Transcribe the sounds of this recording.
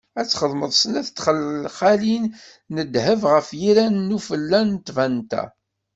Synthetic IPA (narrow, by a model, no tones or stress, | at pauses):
æt͡sːχəðˤməðˤsənæθt̪ːχəlχælin | nəd̪həvʁəfjiɾænːufəlːænt̪vænt̪æ̰